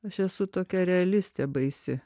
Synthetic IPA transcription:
ɐʃɛsʊt̪oːkʲɛɾʲɛɐlʲɪsʲt̪ʲebɐɪsʲɪ

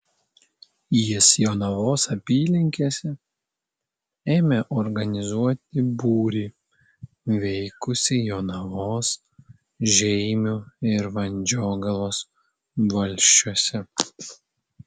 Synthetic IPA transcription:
jisjoːnɐʋoːsɐpʲiːlʲɪŋʲkʲesʲɛ | eːmʲeʔɔɾɡɐnʲɪzuɔt̪ʲɪbuːɾʲiː | ʋʲɛɪkʊsʲɪjoːnɐʋoːs | ʒʲɛɪmʲuɪɾʋɐnʲd͡ʒʲoːɡɐlˠoːs | ʋɐlʲʃʲt͡ʃʲuɔsʲɛ

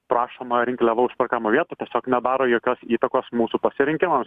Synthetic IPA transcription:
pɾɑːʃoːmɐɾʲɪŋʲkʲlʲɛʋɐʊʃpʲɛrkɑːmoʋʲiɛt̪uːt̪ʲiɛsʲoːknʲɛd̪ɑːɾoːjoːkʲoːsiːt̪ɐkoːsmuːsupɐsʲɪɾʲɪŋʲkʲɪmɐms

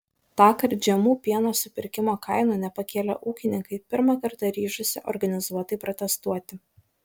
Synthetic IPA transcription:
t̪ɑːkɐɾʲd͡ʒʲɛmuːpʲiɛnoːsʊpʲɪɾʲkʲɪmoːkɐɪnuːnʲɛpɐkʲeːlʲɛ̰ʔuːkʲɪnʲɪŋkɐɪpʲɪɾmɐkɐɾt̪ɐɾʲiːʃʊsʲɪʔɔɾɡɐnʲɪzuɔt̪ɐɪpɾɔt̪ʲɛst̪uɔt̪ʲɪ

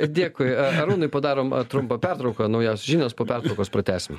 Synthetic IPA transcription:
d̪ʲeːkʊɪɐɐɾuːnʊɪpɐd̪ɑːɾoːmt̪ɾʊmpɐpʲæɾt̪ɾɐʊkɐnɐʊjoːsʲʒʲiːnʲoːspoːpʲɛrt̪ɾɐʊkoːspɾɐt̪ʲæːsʲɪm

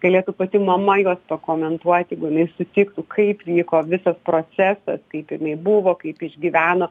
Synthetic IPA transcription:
ɡ̥ɐlʲeːt̪upɐt̪ʲɪmɐmɐjuɔspɐkoːmʲɛnt̪uɔt̪ʲjɛɪɡʊjɪnɐɪsʊt̪ʲɪkt̪ʊkʰɐɪpʋʲiːkoːʋʲɪsɐspɾoːt͡s̪ʲæsɐ̰skɐɪpɪnɐɪbʊʋoːkɐɪpɪʒʲɡʲiʋʲæːnoː

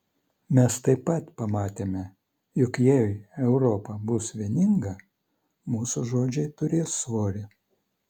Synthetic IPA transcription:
mʲɛst̪ɐɪpːɐt̪pɐmɑːt̪ʲeːmʲɛ | jʊkjɛɛʊɾɔpɐbʊsʋʲiɛnʲɪŋɡɐ | muːsʊʒoːd͡ʒʲɛɪt̪ʊɾʲeːsːʋoːɾʲɪ

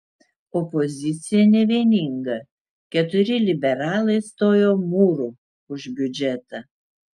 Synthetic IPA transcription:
ɔpɔzʲɪt̪sʲɪjɛnʲɛʋʲenʲiŋɡɐ | kʲɛt̪ʊɾʲɪlʲɪbʲɛɾɑːlˠɐɪst̪oːjoːmuːɾu | ʊʒʲbʲʊd͡ʒʲɛt̪ɐ

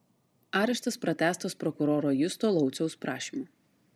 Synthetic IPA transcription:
ɑːɾʲɛʃt̪ɐspɾɐt̪ʲæːst̪ɐspɾɔkʊɾɔːɾoːjʊst̪oːlˠɒʊt̪sʲɛʊspɾɑːʃʲiːmu

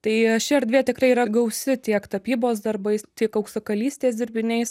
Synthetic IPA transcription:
t̪ɐɪʃʲɪɛɾʲd̪ʲʋʲeːt̪ʲɪkrɐɪiːɾɐɡɐʊsʲɪt̪ʲiɛkt̪ɐpʲiːboːsd̪ɐrbɐɪst̪ʲiɛkɐʊksɐkɐlʲiːsʲt̪ʲeːsd̪ʲɪɾʲbʲɪnʲɛɪs

